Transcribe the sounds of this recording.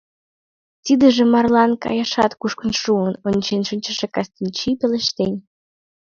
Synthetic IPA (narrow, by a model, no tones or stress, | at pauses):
t̪id̪əʒĕmɑrlɑnkɑ̰jɑʃɑt̪kuʃkə̆nʃuənonʲt͡ɕenʃɨnʲt͡ɕəʃekɑst̪inʲt͡ɕipeleʃt̪enʲ